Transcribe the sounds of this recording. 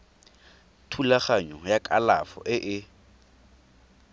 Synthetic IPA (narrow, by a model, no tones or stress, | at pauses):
tʰulaχaɲɔjakʼalafɔ̰ʔɪʔɪ